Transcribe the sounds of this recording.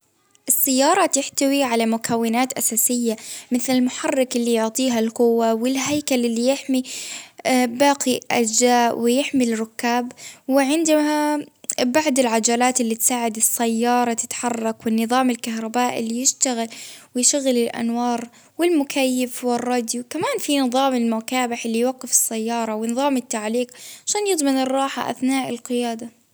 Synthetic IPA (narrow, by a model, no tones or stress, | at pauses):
ʔɨsˤːajːɑːɾˤɑt̪ɪħt̪awiʕalamʊkʰawːɪnaːt̪ʔasaːsɪjːamɪθlɪlmʊħɑrˤːɑkɪlːijʊʕt̪ˤiːɦalqʊwːawɪlɦajkalʔɪlːijɪħmi | baːqiʔa̰d͡ʒaːʔwɪjɪħmirˤːʊkːaːbwɪʕɪnd̪habaʕd̪ɪlʕad͡ʒalaːt̪ɪlːit̪saːʕɪd̪ɪsːajːɑːɾˤɑt̪ɪ̥t̪ħɑrˤːɑkwɪnːɨðˤɑːmɪlkaɦɾˤɑbaːʔɪlːijɪʃt̪aɣɪlwɪjʃaɣɪlɪlʔa̰nwɑːɾˤ | wɪlmʊkʰajːɪfwɪrˤːɑːd̪jukamaːnfinɨðˤɑːmɪlmʊkaːbɪħɪlːijwaɡːɪfɪ̥sːajːɑːɾˤɑwɪnɨðˤɑːmɪt̪ːaʕliːqʕʕaʃaːnjɨd̪ˤmɪnɨrˤːɑːħa̰ʔa̰θnaːʔɪlqɪjaːd̪a